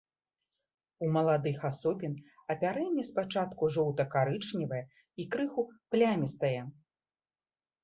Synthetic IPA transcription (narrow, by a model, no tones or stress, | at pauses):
umɐlˠad̪ɨxasɔpʲin | ɐpʲaɾɛnʲːispat͡ʂat̪kuʐɔwt̪ɐkaɾɨt͡ʂnʲivɐjɛ | ikɾɨxuplʲamʲist̪ɐjɛ